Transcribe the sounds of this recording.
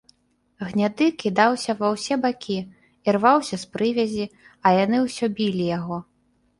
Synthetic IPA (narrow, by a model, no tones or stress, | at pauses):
ɣnʲad̪ɨkʲid̪awsʲɐvɐwsʲɛbakʲʰi | irvawsʲɐspɾɨvʲɐzʲi | ɐjanɨwsʲɔbʲilʲijaɣɔ